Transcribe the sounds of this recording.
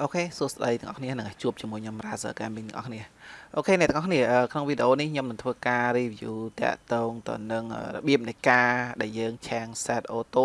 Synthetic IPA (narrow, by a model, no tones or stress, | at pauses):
ʔoːkʰeːsuəsɗəjt̪ɨ̆ŋʔɑ̰hkʰniənɨŋat͡ɕuəp̚t͡ɕiəmuəjɲomraːsə̰ːkaːmiŋt̪ɨəŋʔɑ̰hkʰniəʔoːkʰeːnɛ̆ʔt̪əŋʔɑkʰniəʔəːkʰnoŋʋiːɗeʔoːnihɲomnɨŋt̪ʰʋəːkaːriːʋjṵːt̪ɛ̆əʔt̪ɔːŋt̪ɨ̰wnɨŋʔə̰ːrɔ̰ɓiəp̚nɨjkaːɗaɛljəːŋt͡ɕʰɛəŋsɛːt̪̚ʔoːt̪oː